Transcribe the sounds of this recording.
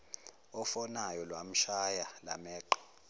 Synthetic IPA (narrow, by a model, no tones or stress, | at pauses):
ɔfɔnajɔlwam̩ʃajala̰mɛːǃɔ̥